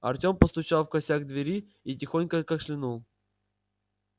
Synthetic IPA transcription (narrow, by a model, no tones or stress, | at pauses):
ɐ̰rtʲompəst̪ʊt͡ɕalˠfkɐsʲaɡd̪vʲɪɾʲi | itʲɪxonʲkəkaʂlʲɪnulˠ